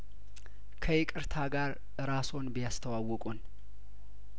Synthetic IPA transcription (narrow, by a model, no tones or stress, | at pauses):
kʰəjɪkʼɨɾt̪ʰaɡaɾ | ɨɾaso̞nbijast̪ʰəwawːɔkʼun